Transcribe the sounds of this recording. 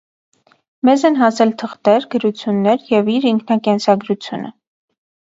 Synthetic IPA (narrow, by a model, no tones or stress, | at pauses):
mɛzɛnɦɑsɛlt̪ʰəχt̪ɛɾɡəɾut͡sʰjunːɛɾjɛviɾiŋkʰnɑkɛnsɑɡɾut͡sʰjṵnə̰